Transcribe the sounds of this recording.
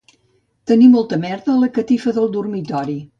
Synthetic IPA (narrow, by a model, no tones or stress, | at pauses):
t̪ənimːɔlˠt̪əmɛɾðəːləkət̪ifəðəlˠd̪urmit̪ɔɾi